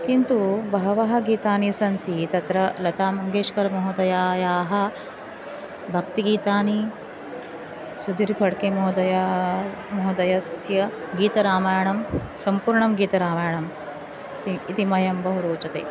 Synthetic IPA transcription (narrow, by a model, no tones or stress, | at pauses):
kint̪ubɐɦɐʋɐɦɐ̆ɡiːt̪aːnisɐnt̪it̪ɐt̪ɾɐlɐt̪aːmɐŋɡeːʂkɐɾmɐɦud̪ɐjaːjaːɦɐ̆ | bʱɐk̚t̪iɡiːt̪aːni | sud̪iɾpʰɐɽkemoɦd̪ɐja | moɦud̪ɐjɐsjɐ | ɡiːt̪ɐɾaːmaːjɐɳɐmsɐmpuːɾɳɐmɡiːt̪ɐɾaːmaːjɐɳɐm | t̪iit̪imɐjɐmbɐɦuɾoːt͡ʃɐt̪ḛː